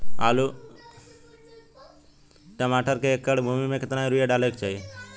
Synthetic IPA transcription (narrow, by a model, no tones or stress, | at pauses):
a̰ːlu | ʈəmaːʈəɾkeekːəɽbʱuːmimẽkɪt̪nãːĩɾujaɖaːlekt͡ʃaːi